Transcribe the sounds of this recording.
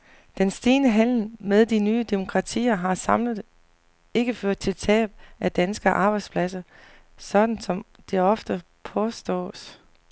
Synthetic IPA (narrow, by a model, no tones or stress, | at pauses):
d̥ensd̥eːnəɦæl̰n̩með̞ˠd̥inyːəd̥emo̝kʰʁɑ̈t͡sʰḭːɐɦɑ̈sɑmləðˠ | e̝ɡ̥əføɐ̰d̥̚t͡sʰe̝lt͡sʰɛ̰ːb̥̚ʔæd̥ænsɡ̥ɐʔɑ̈ːb̥ɑ̈ɪdspʰlæsɐ | sɒ̽d̥n̩sɒ̽m | d̥e̝ɒ̽fd̥ə | pʰɒ̽sd̥ɔ̰ːs